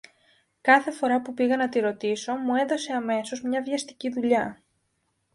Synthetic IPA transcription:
kɐθe̞fo̞ɾɐpupiɣɐnɐt̪iɾo̞t̪iso̞mue̞ðo̞se̞ɐme̞so̞zmɲɐvʝɐst̪i̥ciðuʎɐ

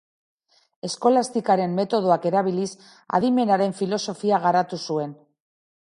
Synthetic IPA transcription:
e̞sko̞last̪ikaɾe̞mːe̞t̪o̞ð̞oake̞ɾaβilis | a̰ðime̞naɾe̞ɱfilo̞so̞fiaɣ̞aɾat̪usue̞n

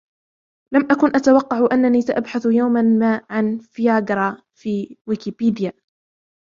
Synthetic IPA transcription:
lamʔakʊnʔat̪awɑqːɑʕʔanːaniːsaʔabħaθjawmamaːʕanfjaːɡɾˤɑː | fiːwɪkɪpiːd̪ɪjaː

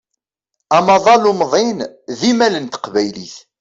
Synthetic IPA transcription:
æmɑðˤɑlʊmðˤɪnðimælənt̪ə̥qvæjlḭθ

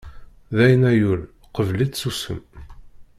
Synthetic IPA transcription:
ðæjnæjul | qəvlit͡s̪susə̰m

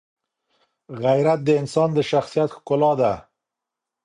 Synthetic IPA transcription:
ɣajɾat̪̚d̪əɪnsɑnd̪əʃaxsijat̪xkʊlɑd̪a

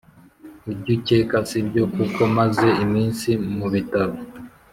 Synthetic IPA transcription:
uɟucekasibɟo̞kukʰo̞maze̞imiːnsimuβitaβo

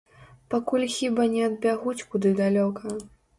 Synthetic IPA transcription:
pakulʲxʲibanʲɛɐd̪̚bʲaɣut͡sʲkud̪ɨd̪alʲɔkɐ

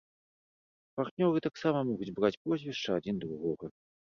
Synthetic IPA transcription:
part̪nʲɔɾɨt̪aksamɐmɔɣud͡zʲbɾat͡sʲpɔzʲvʲɛʂt͡ʂɐad͡zʲind̪ɾuɣɔɣɐ

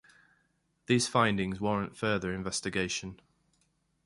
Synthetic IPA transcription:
ðiːz̥fãɪ̃ndɪ̃ŋzwɒɹə̃ntfɜːðəɹɪ̃ɱvɛstɪɡeɪʃə̃n

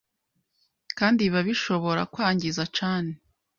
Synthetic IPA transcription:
kaːndiβaβiʃo̞βo̞ɾa̰kwaːɲɟizat͡ʃaːne

